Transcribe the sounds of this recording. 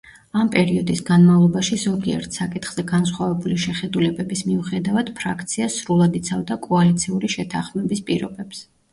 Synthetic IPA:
ampʼɛɾiɔd̪isɡanmavlˠɔbaʃizɔɡiɛ̰ɾt̪ʰsakʼit̪ʰχz̥ɛɡans̬χwavɛbuliʃɛχɛd̪ulɛbɛbismiuχɛd̪avad̪̥pʰɾakʰt̪sʰiasɾulˠad̪it̪sʰavd̪akʼɔalit̪sʰiuliʃɛt̪ʰaχmɛbispʼiɾɔ̰bɛps

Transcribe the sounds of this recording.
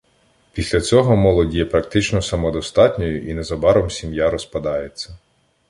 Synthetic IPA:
pʲisʲlʲɐt͡sʲɔɦɔmɔlˠɔdʲjɛpɾɐkt̪ɪt͡ʃnɔsɐmɔd̪ɔst̪ɑtʲnʲɔjʊʔinezɐbɑɾɔmsʲimjaɾɔspɐd̪ɑjet͡sʲːɐ

